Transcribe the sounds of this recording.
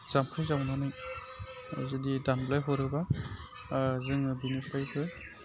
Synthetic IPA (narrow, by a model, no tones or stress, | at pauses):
z̥ampʰɯzawnanaj | zɯdidanblajɦɔɾɯba | zɯŋbinɯpʰajbʰɯ